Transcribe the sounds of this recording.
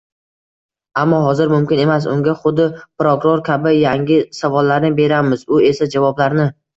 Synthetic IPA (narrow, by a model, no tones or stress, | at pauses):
amːɒɦɒzɪɾmʊmkʲɪne̞mas̬ʊ̰ŋɡʲaχʊd̪ːɪpɾokʊɾoɾkʲʰabɪjaŋɡʲɪsavɒlːaɾnɪbe̞ɾamɪzʊe̞sad͡ʒavɒblaɾnɪ